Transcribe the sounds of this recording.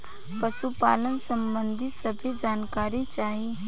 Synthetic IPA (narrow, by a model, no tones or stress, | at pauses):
pəsupa̰ːlənsə̃mbə̃nd̪ʱisɐbʱid͡ʒaːnkaːɾit͡ʃaːɦi